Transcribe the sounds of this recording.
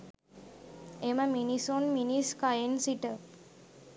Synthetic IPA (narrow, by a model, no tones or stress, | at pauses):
eməminisonminiskajensiʈə